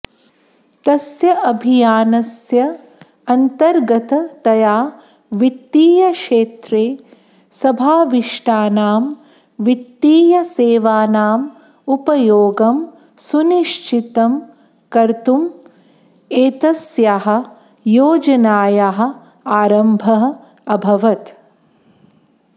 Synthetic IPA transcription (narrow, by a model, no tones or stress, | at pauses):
t̪ɐsjɐʔɐbʱijaːnɐsjɐ | ɐnt̪ɐɾɡɐt̪ɐt̪ɐjaː | ʋit̪ːiːjɐʂeːt̪ɾeː | sɐbʱaːʋiʂʈaːnaːm | ʋit̪ːiːjɐseːʋaːnaːm | upɐjoːɡɐm | suniʃt͡ʃit̪ɐm | kɐɾt̪um | eːt̪ɐsjaɦɐ̆ | joːd͡ʒɐnaːjaɦɐ̆ | aːɾɐmbʱɐɦɐ̆ | ɐbʱɐʋɐt̪